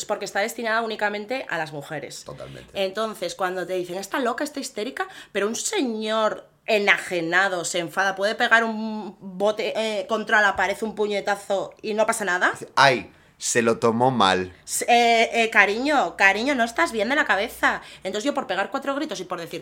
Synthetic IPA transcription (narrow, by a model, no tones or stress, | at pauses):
spo̞ɾkest̪aðe̞st̪inaðaunikamẽ̞nt̪e̞ʔa̰lazmuxe̞ɾe̞̰sot̪a̰lmḛ̃t̪ent̪o̞n̟θe̞skwand̪ot̪e̞ðiθe̞ŋe̞st̪alo̞kaest̪aist̪e̞ɾikape̞ɾounse̞ɲo̞ɾ | e̞naxe̞nað̞o̞seɱfaðapwe̞ðe̞pe̞ɣaɾumbo̞t̪e̞ʔko̞nt̪ɾalapaɾe̞θumpuɲe̞t̪aθo̞ino̞pasanaðaaj | se̞lo̞t̪omo̞ma̰lseekaɾiɲo̞kaɾiɲo̞no̞est̪azβje̞nd̪e̞lakaβ̞e̞θaenoʝopo̞ɾpe̞ɣ̞aɾkwat̪ɾo̞ɣ̞ɾit̪o̞sipo̞ɾðe̞θiɾ